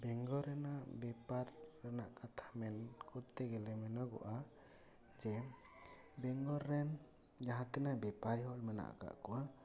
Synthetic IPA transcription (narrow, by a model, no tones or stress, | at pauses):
bɛŋɡɔɾɛnaʔbɛpaɾːɛnaʔkat̪ʰḁmɛnkʰɔt̪ɛɡɛlɛmɛnɔɡɔ̰ʔa | d͡ʒɛ | bɛŋɡɔɾːɛn | d͡ʒaɦãt̪ɛnabɛpaɾiɦhɔlmɛna̰ʔka̰ʔkɔwa